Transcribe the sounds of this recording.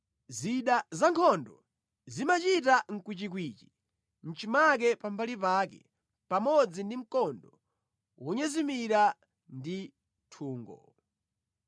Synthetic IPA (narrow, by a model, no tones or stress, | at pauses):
ziɗazaŋkʰɔndɔ | zimat͡ʃitaŋ̩kwit͡ʃik̬wiːt͡ʃi̥ | n̩t͡ʃimak̬ɛpambalipaːkɛ̰ | pamɔd͡zindim̩kɔndɔ | wɔɲɛzimiɾa | ndi | tʰuːŋɡɔ̰